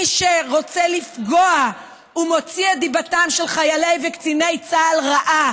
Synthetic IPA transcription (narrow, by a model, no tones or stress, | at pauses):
iʃeʁo̞t͡selifɡo̞a | umo̞t͡sied̪ibatamʃelχajale̞jvekt͡sine̞jt͡saːlʁaʔa